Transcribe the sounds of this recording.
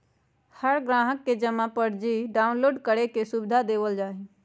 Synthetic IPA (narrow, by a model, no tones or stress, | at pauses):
həɾɡɾãːɦəkːed͡ʒəmapəɽd͡ʒiɖaːʊnloːɖkəɽekesʊbɪd̪ʱad̪eːʋəld͡ʒaːɦi